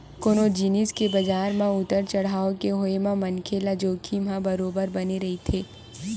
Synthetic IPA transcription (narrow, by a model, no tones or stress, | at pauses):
koːnod͡ʒiniskebɐd͡ʒaːɾmãʊt̪əɾt͡ʃɐɽ̤aːokeɦoemãmɐnkʰelad͡ʒoːkʰim̤ãbɐɾoːbəɾbɐneɾɐɦit̪ʰeː